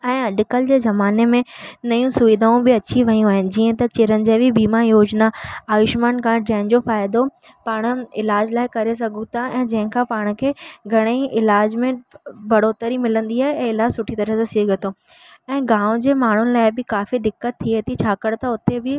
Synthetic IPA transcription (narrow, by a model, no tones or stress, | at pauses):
ɛ̃ːɐɗɪkəld͡ʑeːzɐmaːnemẽnɐjũsʊʋid̪ʱaːũbɪɐt͡ɕʰiʋɐijũaːɦɪnɪ̆d͡ʑiːə̃t̪ɐt͡ɕɪɾənɪ̆d͡ʑeːʋibiːmajoːd͡ʑnaaːjɪʃmaːnkãːd͡ʑɐ̃ɦɪ̃nd͡ʑofaːɪd̪o | paːɽ̃̆ɪlaːd͡ʑlaːɪkɐɾesɐɡʱũt̪ʰaɛ̃ːd͡ʑɐ̃ɦɪ̃kʰãpaːɽ̃̆kʰeːɡʱɐɽ̃eiʔɪlaːd͡ʑmẽbɐɽoːt̪əɾimɪlə̃nd̪iaːɦeɛ̃ːɪlaːd͡ʑsʊʈʰit̪ɐɾəɦsasiɡət̪ʰo | ɛ̃ːɡãːʊ̃d͡ʑeːmaːɳ̤ʊnɪ̆laːɪbɪkaːfid̪ɪkːət̪ʰːiet̪ʰit͡ɕʰaːkəɽt̪ɐʊt̪ebɪ